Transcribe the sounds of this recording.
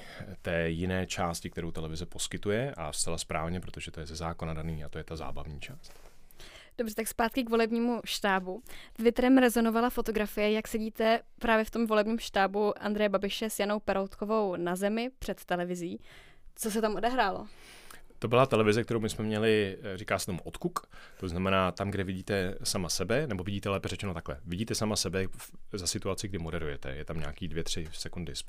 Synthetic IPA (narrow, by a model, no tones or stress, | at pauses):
t̪ɛːjɪnɛːt͡ʃaːscɪk̚t̪ɛɾowt̪ɛlɛvɪzɛpo̞skɪt̪ujɛʔa̰st̪alaspɾʔa̰ːvɲɛpɾot̪o̞ʒɛt̪ojɛzɛzaːkonadaniːat̪ojɛt̪aza̰ːba̰vɲiːt͡ʃaːst̪ | d̥obrɛt̪akspaːt̪kɪkvo̞lɛbɲiːmuʃt̪aːbut̪vɪt̪ɾɛmɾɛzo̞no̞valafo̞t̪o̞ɡɾafɪjɛjaksɛɟiːt̪ɛpɾaːvjɛft̪o̞mvo̞lɛbɲiːmʃt̪aːbuʔa̰nd̪ɾɛjɛbabɪʃɛsjano̞wpɛɾowt̪kovo̞wnazɛmɪpr̥ɛt̪ːɛlɛvɪziː | t͡so̞s̬ɛt̪amʔo̞dɛɦɾaːlo̞ | t̪o̞bɪlat̪ɛlɛvɪzɛkt̪ɛɾowmɪsmɛmɲɛlɪrikaːsɛ̥t̪omuʔo̞t̪kukt̪oznamɛnaːt̪amɡdɛvɪɟiːt̪ɛsamasɛbɛnɛbo̞vɪɟiːt̪ɛlɛːpɛrɛt͡ʃɛnot̪aklɛ̰vɪɟiːt̪ɛsamasɛbɛzasɪt̪uat͡sɪɡdɪmo̞dɛɾṵjɛt̪ɛ̰jɛt̪amɲa̰ːkiːdvjɛt̪r̝̥ɪsɛkundɪs